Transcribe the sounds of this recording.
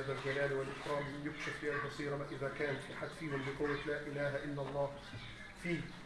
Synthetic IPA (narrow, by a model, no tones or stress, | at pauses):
aðald͡ʒalaːlwɪlʔɪħɾɑːmjʊkʃɪflɪhalbɑsˤiːɾɑʔɪðakaːnfiħad̪fiːhɪmbɪqʊwːalaːʔɪlaːɦaʔɪlːɑlˤːɑː | fiː